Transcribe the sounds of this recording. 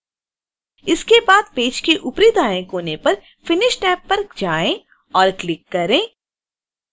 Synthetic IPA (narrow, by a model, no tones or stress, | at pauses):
ɪskebaːd̪peːd͡ʒkeʔʊpɾid̪aːẽkoːnepɐɾ | fɪnɪʃʈɛːpːɐɾd͡ʒaːẽ | ɔːɾklɪkːɐɾẽː